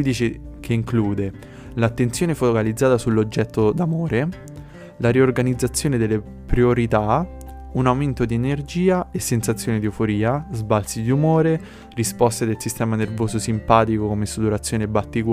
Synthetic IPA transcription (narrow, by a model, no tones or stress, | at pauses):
d̪iːt͡ʃekʰeiŋkluːd̪e | lat̪ːent̪sjoːnefookalid̪zːaːt̪asulːod͡ʒːɛt̪ːod̪amoːɾe | laɾiorɡanid̪zːat̪sːjoːned̪elːe | pɾioɾit̪a | unawment̪od̪ienerd͡ʒiːaesːensat̪sːjoːned̪iufoɾiːazbalsid̪iumoːɾe | rispɔst̪ed̪elsist̪ɛːmanervoːzosimpaːt̪ikokomesut̪uɾat̪sːjoːnebat̪ːik